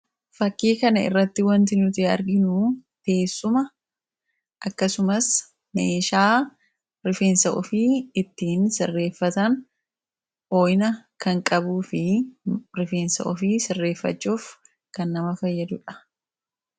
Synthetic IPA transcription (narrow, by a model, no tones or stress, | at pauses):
fɐkːiːkɐnɐɪ̰rːɐt̪ːɪwɐnt̪ɪnʊt̪ɪɐ̰ɾɡɪnuːt̪e̞ːsːʊmɐ | ʔɐkːɐsʊmɐs | meːʃaː | ɾɪfeːnsɐʔɔfɪɪt̪ːiːnsɪrːe̞ːfːɐt̪ɐn | ʔoːjnɐkɐŋkʼɐbuːfɪ | ɾɪfe̞ːnsɐ̰ʔɔfɪsɪrːe̞ːfːɐ̰t͡ʃːuːf | kɐnːɐmɐfɐjːɐd̪ʊᶑɐ̥